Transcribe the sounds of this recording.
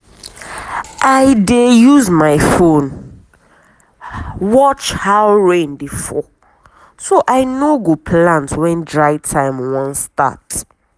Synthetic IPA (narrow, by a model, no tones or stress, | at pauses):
ʔaɪdejuzmaɪfõn | wɔt͡ʃhawɹẽndefɔ | soʔaɪnoɡopʰlãntwɛ̃ndɹaɪtʰãɪ̃mwɔ̃nsta̰t